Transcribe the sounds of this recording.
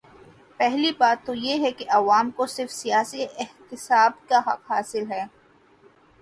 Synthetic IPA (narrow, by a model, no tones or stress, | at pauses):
pɛɦlibaːt̪ːojeɦɛkeʔɐʋaːmkosɪɾfsijaːsiɪht̪ɪsaːbkaɦɐ̰qɦaːsɪlɦɛː